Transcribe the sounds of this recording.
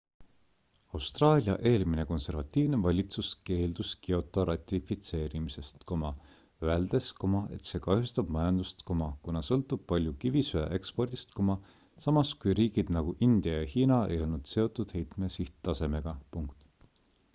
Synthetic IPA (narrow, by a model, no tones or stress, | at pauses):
ɑwst̪rɑːlʲiɑ̰ʔe̞ːlmine̞ko̞nse̞ɾvɑt̪ʲːˑiːvne̞vɑlʲit̪suske̞ːld̪̥uskio̞t̪ːˑɑɾɑt̪ʲːˑifit̪se̞ːɾimise̞st̪ko̞mɑ | øeld̪̥e̞sko̞mɑe̞̰t̪se̞ːkɑhjust̪ɑb̥mɑjɑnd̪̥ust̪komɑkunɑsɤlt̪ːub̥̚pɑlʲjukivisøɑ̰ʔe̞kspo̞rd̪̥ist̪komɑ | sɑmɑskujɾiːɡ̥id̪̥nɑɡ̥uʔind̪̥jɑjɑhiːnɑe̞̰jo̞lnud̪̥se̞o̞t̪ːˑud̪̥he̞jt̪me̞siht̪t̪ɑse̞me̞ɡ̥ɑpuŋkt̪